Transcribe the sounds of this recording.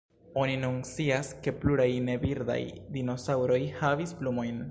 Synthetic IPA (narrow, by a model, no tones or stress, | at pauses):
o̞ninunsiaske̞pluɾajne̞viɾda̰jdino̞sawɾo̞jhavisplumo̞jn